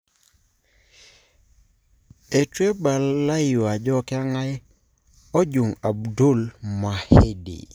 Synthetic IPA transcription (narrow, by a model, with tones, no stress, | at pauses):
e˨twe˦ba˨la˦ɪ˨a˨d͡ʒɔ˦kɪ˦a˦ŋa˦j | ɔ˦d͡ʒu˨ŋa˨b̚du˦˨lma˨he˦dḭ˨